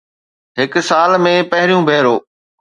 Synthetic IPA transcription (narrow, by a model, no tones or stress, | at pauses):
ɦɪksaːlmẽpɐɦɪɾijũbʱeːɾoː